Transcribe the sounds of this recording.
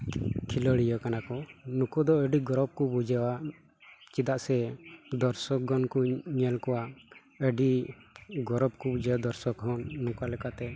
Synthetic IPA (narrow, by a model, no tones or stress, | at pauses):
kʰilɔɽijɔkanakɔnukɔd̪ɔəɖiɡɔɾɔb̚kɔbud͡ʒawa | t͡ʃid̪aʔsɛd̪ɔɾsɔk̚ɡɔnkɔɲɛlkɔwa | əɖi | ɡɔɾɔb̚kubud͡ʒawad̪ɔɾsɔkɦɔnːukalɛkat̪ɛ